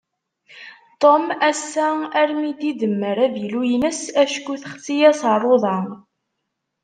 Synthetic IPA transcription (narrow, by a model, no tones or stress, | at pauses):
t̪ˤomæsːææɾmid̪id̪əmːəɾæðjlujnəsæʃkuθχəsijæsrˤoðˤɑ